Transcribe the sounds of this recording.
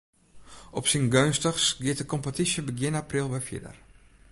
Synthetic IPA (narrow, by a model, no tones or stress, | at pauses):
ʔɔpsinɡønstəxsɡɪətəkompətisjəbəɡjɪnaprilˠʋɛfjɪ̰də̰r